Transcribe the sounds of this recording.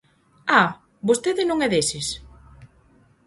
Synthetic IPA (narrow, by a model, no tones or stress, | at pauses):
a | bost̪eðɪnõŋɛðesɪs